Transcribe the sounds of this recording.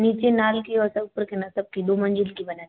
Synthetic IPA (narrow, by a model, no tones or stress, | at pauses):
niːt͡ʃenaːlkeɔɾsɐbpəɾkenɐsɐb̚kid̪oːmɐ̃nd͡ʒɪlkibɐnaː